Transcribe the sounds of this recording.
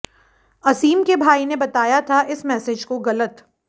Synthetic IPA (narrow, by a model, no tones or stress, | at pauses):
ɐsiːmkebʱaːinebɐt̪aːjat̪ʰaʔɪsmɛːsɪd͡ʒkoɣɐlət̪